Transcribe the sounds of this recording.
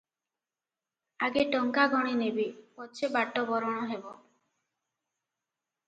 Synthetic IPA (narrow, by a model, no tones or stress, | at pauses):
aɡeʈɔŋkaɡɔɽ̃inebipɔt͡ʃʰebaʈːɔbɔɾɔɽ̃ɔɦebɔ